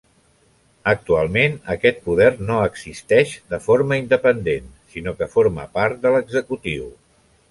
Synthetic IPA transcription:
ək̚t̪ualˠmenəkɛt̪̚puðɛrnoəɡzist̪ɛʃd̪əfoɾməind̪əpənd̪ensinokəfoɾmə̰paɾt̪̚d̪ələɡzəkut̪iw

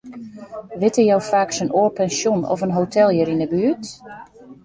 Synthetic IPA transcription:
ʋɪtəjɔwfaːksənʔoːpɛnsjunɔ̰fənɦowtʰɛlˠjəɾinəbyːət

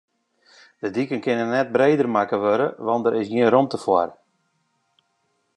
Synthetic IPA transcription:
d̥ədikənkɪnənɛt̚bɾeːdərmakəʋøɾə̰ʋɑntdəɾɪsjiənɾomtəfwɔrə

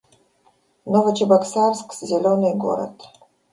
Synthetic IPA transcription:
novɐt͡ʃɪbɐksarskszʲelʲonɨjɡo̰ɾə̰t̪

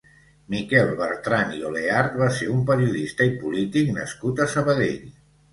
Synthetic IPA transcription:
mikɛlˠβəɾt̪ɾanioleaɾt̪̚βaseɾumpəɾiuðist̪əipulit̪iknə̰skut̪əsəβəðḛʎ

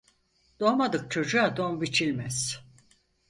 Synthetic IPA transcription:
d̪̥omad̪ɯk̚t͡ʃʰo̞d͡ʒuad̪omvit͡ʃʰilʲmɛz̥

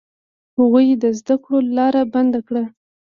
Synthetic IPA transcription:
haɣujed̪əzd̪akɽolɑɾaband̪akɽa

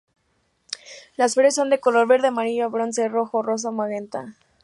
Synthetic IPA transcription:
lasfeɾesːo̞nd̪e̞ko̞lo̞ɾβe̞ɾðeamaɾiʝoaβɾo̞nsero̞xoro̞s̬amaɣent̪a

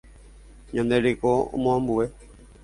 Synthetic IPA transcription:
ɲõnd̪eɾikoo̰mõãmbue

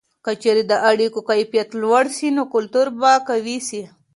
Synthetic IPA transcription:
kət͡ʃeɾed̪əʔaɽikokajfjat̪lwaɽsinokʊlt̪uɾbakawisi

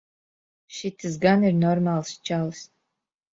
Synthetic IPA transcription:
ʃit̪ʰɨzɡanirnɔrmalˠst͡ʃʰals

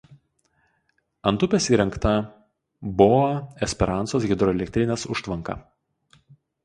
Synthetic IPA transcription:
ɐnˑt̪ʊpʲesiːɾʲɛŋkt̪ɐ | bʊɐɛsʲpʲɛɾɑnt̪soːsɣʲɪd̪ɾɔɛlʲɛk̚ʲt̪ʲɾʲɪnʲeːsʊʃt̪ʋɐŋkɐ̰

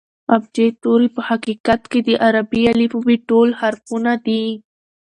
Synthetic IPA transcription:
ab̚d͡ʒet̪oɾipəhaqikat̪ked̪əʔaɾabialifobiʈolhaɾfunad̪i

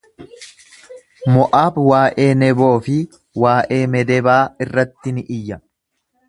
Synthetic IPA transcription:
mɔʔaːbwaːʔe̞ːnɛbo̞ːfɪ | waːʔe̞ːmɛd̪ɛbaːɪrːɐt̪ːɪnɪʔɪjːɐ

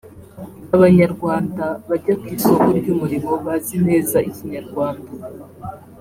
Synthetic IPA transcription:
aβaɲaɾɡwaːndaβaɟakwiːsokoɾɟumuɾimo̞βazine̞ːzaiciɲaɾɡwaːnda

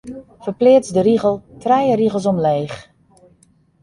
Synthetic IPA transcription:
fərplɪːət͡sdəɾiɣəlˠtrɛjəriɣəlˠs̬ɔmleːχ

